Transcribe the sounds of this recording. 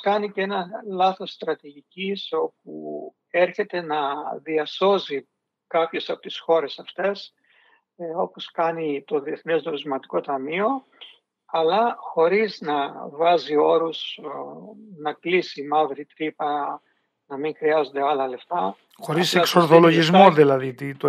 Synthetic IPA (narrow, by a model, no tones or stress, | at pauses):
kɐniceenɐlɐθo̞sːt̪ɾɐt̪iʝiciso̞p̚u | e̞ɾçe̞t̪e̞nɐðiɐso̞zi | kɐpço̞sɐpot̪i̥sxo̞ɾe̞sɐft̪e̞s | o̞po̞skɐnit̪o̞ðie̞θnezd̪oɾizmɐt̪i̥ko̞t̪ɐmio̞ | ɐlɐxo̞ɾiznɐvɐzio̞ɾus | nɐklisimɐvɾit̪ɾipɐ | nɐmiŋxɾiɐzo̞nd̪e̞ɐlɐle̞ft̪ɐ | xo̞ɾiseksoɾθolo̞ʝizmoðilɐðit̪it̪o